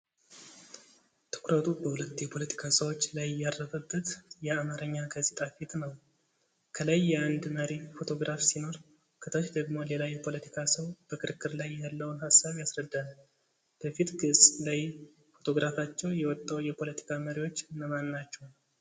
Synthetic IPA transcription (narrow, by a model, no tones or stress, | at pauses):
t̪ʰɨ̥kʰɾət̪ʰubəhulət̪ːjɛpʰo̞lət̪ʰi̥kʰasəwo̞t͡ʃːlajːarːəfəbːət̪jɛamaɾəɲːaɡazet̪ʼafit̪nəw | kʰəlajːɛand̪məɾifo̞t̪ʰo̞ɡɾʔafsino̞ɾ | kʰət̪ʰot͡ʃd̪əɡmo̞le̞lajɛpʰo̞lət̪ʰi̥kʰasəwb̥əkʰɨɾkʰːɨɾlajːalːəwnɦasːaβjasɾəd̪ːal | b̥əfit̪ɡɨsʼlaj | fo̞t̪ʰo̞ɡɾʔafat͡ʃːɛwjɛwɔt̪ʼːawjɛpʰo̞lət̪ʰi̥kʰaməɾiwo̞t͡ʃːɨnəmanːat͡ʃːɛw